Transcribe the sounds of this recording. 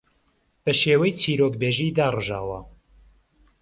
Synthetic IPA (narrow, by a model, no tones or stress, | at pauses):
b̥ɐʃeːwɐjt͡sʰiːɾoːkbeʒiːd̪aːrɨʒa̰ːwɐ̰